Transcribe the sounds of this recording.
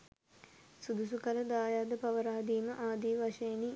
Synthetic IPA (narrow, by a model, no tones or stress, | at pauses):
sud̪usukaləd̪aːjaːd̪əpɐʋəɾaːd̪iːməʔaːd̪iːʋaʂejni